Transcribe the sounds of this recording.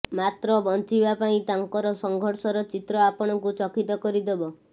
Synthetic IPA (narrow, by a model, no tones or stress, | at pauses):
mat̪ɾɔbɔnt͡ʃibapaĩt̪aŋkɔɾɔsɔŋɡʱɔɾsɔɾɔt͡ʃit̪ɾɔapɔɽ̃ɔŋkut͡ʃɔkit̪ɔkɔɾid̪ebɔ